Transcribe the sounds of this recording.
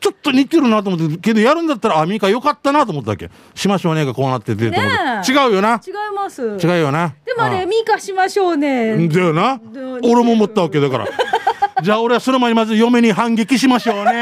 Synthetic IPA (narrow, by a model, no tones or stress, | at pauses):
t͡ɕo̞t̪ːo̞ɲ̟it̪ːeɾɯnat̪oːmot̪ːeoke̞d̪o̞jaɾɯ̟̃nd̪at̪ːaɾaːmʲĩkajo̞kat̪ːanat̪oːmot̪ːaβa̰ke̞̰ | ɕimaɕo̞ːneɡako̞ːnat̪ːet̪ːet̪t͡ɕiɡaɯ̟jo̞nat͡ɕiɡaimasɨt͡ɕiɡaɯjo̞nad̪ememʲikaɕimaɕoːned̪enaoɾe̞mo̞mot̪ːaβake̞d̪aka̰ɾa̰ | d͡ʑaːo̞ɾe̞aso̞no̞maɲʲimazɨjo̞me̞ɲ̟iɦãŋɡe̞kʲiɕimaɕo̞ːne